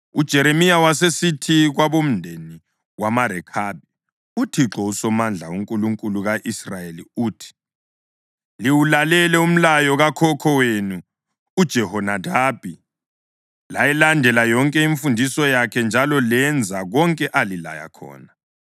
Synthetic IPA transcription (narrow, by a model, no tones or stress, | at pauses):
ud̥ʒ̥ʱɛɾemijawasesitʰiɣwaβom̩ndʱeni | wamaɾɛkʰaːb̚ʱɛ | utʰiǁɔusɔmand͡ɮʱauŋkʼuluŋkʼuluɣaʔisrajelḭuːtʰi̥ | liwulalɛlɛum̩lajɔɣakʰɔkʰɔweːnu | ud̥ʒ̥ʱɛhɔnadʱaːb̥ʱi | lajɛlandʱɛlajɔŋkʼɛiɱfundʱisɔjakʰɛnd͡ʒʱalɔlɛnd͡zʱaɣɔŋkʼɛʔalila̰ja̰kʰɔ̰ːna